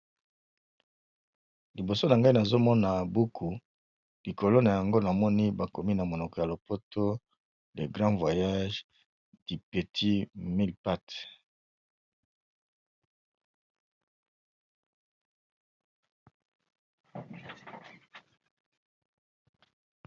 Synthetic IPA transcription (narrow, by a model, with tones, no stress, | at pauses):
li˨bo˨so˦na˨ŋɡa˦i˦na˨zo˦mɔ˦na˨bu˦kʰu˨ | li˨ko˨lo˦na˨ja˨ŋɡo˦na˨mɔ˦ni˦ba˨ko˨mi˦na˨mo˨nɔ˨kɔ˨ja˨lo˨po˦to˦ | le˨ɡʁɑ̃˦vwa˨ja˦ʒ | di˨pe˨tʰi˦mi˦lpa˦t